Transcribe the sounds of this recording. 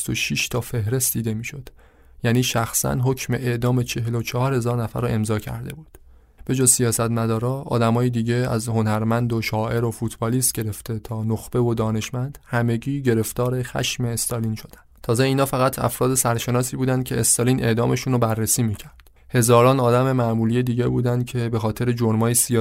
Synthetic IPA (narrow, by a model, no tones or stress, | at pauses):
t̪oʃiːʃt̪ʰɒːfe̞hɾe̞st̪̚d̪iːd̪e̞miːʃo̞d̪̥ | jæːniːʃæxsæ̰nɦocʰme̞ʔed̪ɒːme̞t͡ʃʰe̞ɦelot͡ʃʰɒhɒːɾhe̞zɒːɾnæfæ̰ɾːɔʔe̞mzɒːcʰæ̰ɾd̪e̞̰buːd̪̥ | b̥e̞d͡ʒɒːzsijɒːsæt̪mæd̪ɒːɾɒːʔɒ̰ːd̪æmɒːjid̪iːɟe̞æ̰zho̞næɾmænd̪oʃɒːʔe̞ɾofuːt̪ʰbɒliːst̪̚ɟe̞ɾe̞ft̪e̞t̪ʰɒːnoxb̥e̞vo̞d̪ɒːne̞ʃmænd̪̥hæme̞ɟiːɟe̞ɾe̞ft̪ɒːɾe̞xæ̰ʃme̞ːst̪ɒlinʃo̞d̪æ̥nt̪ʰɒːzeiːnɒːfæɣæt̪ʰæ̰fɾɒːd̪e̞sæɾʃe̞nɒːsiːbuːd̪ænd̪̚cʰe̞ːst̪ɒliːne̞̰ʔd̪ɒːme̞ʃunɾobærːesiːmiːcʰæɾd̥ | he̞zɒːɾɒːnɒːd̪æme̞mæmuːliːjed̪iːɟebuːd̪ænd̪̚cʰe̞be̞xɒːt̪ʰe̞ɾed͡ʒoɾmɒːjesiː